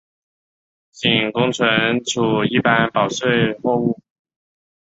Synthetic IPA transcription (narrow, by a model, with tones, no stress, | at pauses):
t͡ɕi˨˩ŋkʊ˥ŋʈ͡ʂʰə˧˥nʈ͡ʂʰu˨˩i˥˩pa˥npɑ˨˩ʊswe˥˧ɪxɔ˥˧u˥˩